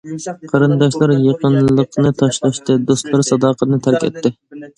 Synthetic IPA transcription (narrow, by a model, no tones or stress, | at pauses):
qʰɑɾɨnd̪ɑʃlˠɑɾjeqənllˠəqnɨt̪ʰɑʃlˠɑʃt̪ɨd̪ost̪lˠɑɾsɑd̪ɑːqʰət̪nɨt̪ʰæɾkʲɛ̰t̪ʰːɪ